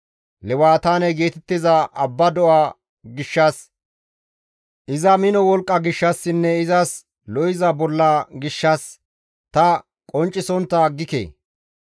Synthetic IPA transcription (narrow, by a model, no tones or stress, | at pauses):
lɛwaːt̪aːnɛɡeːt̪ɛt̪ːɪzɐʔɐbːɐd̪ɔʔaː | ɡɪʃːɐs | ʔɪzɐmɪnɔwɔlkʼːɐɡɪʃːɐsːɪnːɛɪzɐs | lɔjɪzɐbɔlːɐɡɪʃːɐs | t̪ɐ | kʼɔnt͡ʃʼːɪsɔnt̪ːɐɡːɪkḛː